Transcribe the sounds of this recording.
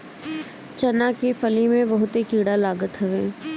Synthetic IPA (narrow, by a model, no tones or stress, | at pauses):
t͡ʃɐnakefɐlimẽbɐɦʊt̪ekiːɽalaːɡət̪ɦɐʋẽː